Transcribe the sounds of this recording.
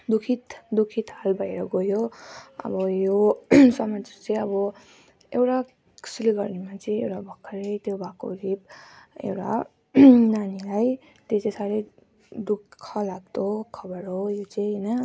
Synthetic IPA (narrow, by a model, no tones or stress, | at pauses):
d̪ukʰit̪d̪ukʰit̪ɦalbʱʌjɾʌɡojoʌ̰bʌjoswamat͡st͡sʌj̃ʌbʌ | ewʈa | ksiliɡʌrnimat͡sʌ̃ĩewʈabʱʌkʰːʌɾet̪jobʱako̰ɾibḛwʈa̰ | nanilaj | t̪jot͡sãsaɾe | ɖukʰːʌlaɡ̚t̪okʰʌbʌɾojot͡saj̃ɦnʌ